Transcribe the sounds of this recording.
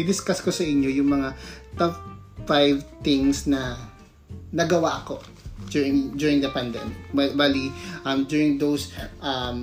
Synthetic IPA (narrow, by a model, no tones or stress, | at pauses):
ɪd̪ɪskɐskosɐʔɪɲjo̞jʊŋmɐŋat̪ɐp | fajvt̪ɪ̃ŋsnɐ | nɐɡɐwaʔɐko̞ | dʊɹɪŋd̪jʊɹɪ̃ŋd̪ɐpɐnd̪ɛ̰mɪk̚abaliʔɐmd̪jʊɹɪ̃ŋd̪owsʔɐm